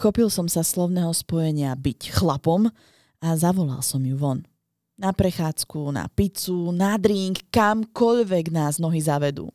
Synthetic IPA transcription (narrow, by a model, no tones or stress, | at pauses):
xɔpilˠsɔmsaslɔʊnɛːɦɔspɔjɛɲɪabicxlapɔm | azaʋɔla̰lsɔmjuʋɔn | napɾɛxaːt͡skuna̰pit͡sunad̪ɾiːŋkkːamkɔʎʋɛɡnaːznɔɦizaʋɛd̪ṵː